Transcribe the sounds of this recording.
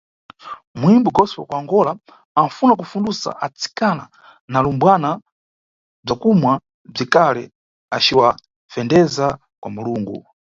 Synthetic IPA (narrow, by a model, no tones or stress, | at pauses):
muimbuɡɔspwa̰kwaŋɡɔla | amfunak̬ufundusa̰ʔat͡si̥kana | nalumbwana | b͡ʐakumwa | b͡ʐikalɛ̰ | at͡ʃiwa | fɛndɛza | kwamuluːŋɡṵ